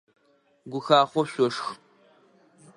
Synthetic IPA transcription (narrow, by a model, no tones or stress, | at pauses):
ɡʷʊxaːχʷɔɕʷɔʂx